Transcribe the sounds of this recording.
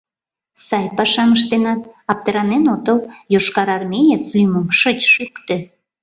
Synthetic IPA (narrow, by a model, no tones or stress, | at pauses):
sɑjpɑʃɑməʃt̪enɑt̪ɑp̚t̪eɾɑnenot̪əljoʃkɑɾɑrmʲejet͡slʲyməmʃət͡ɕʃykt̪ø